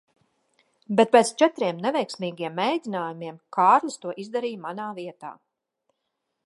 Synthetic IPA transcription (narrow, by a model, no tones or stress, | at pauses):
bɛt̪̚pɛːt̪st͡ʃɛt̪ɾiɛmnɛvɛjksmiːɡiɛmːɛjd̪ʲinaːjumiɛmkʰaːɾlʲist̪uɔʔizd̪aɾiːmanaːviɛt̪a̰ː